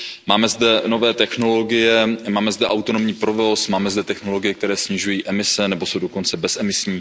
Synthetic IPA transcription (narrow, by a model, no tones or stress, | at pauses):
maːmɛzdɛno̞vɛːt̪ɛxno̞lo̞ɡɪjɛmaːmɛzdɛʔawt̪onomɲiːpɾovosmaːmɛzdɛt̪ɛxno̞lo̞ɡɪjɛk̚t̪ɛɾɛːsɲɪʒujiːʔɛmɪsɛnɛbo̞sowdoko̞nt͡sɛbɛsɛmɪsɲiː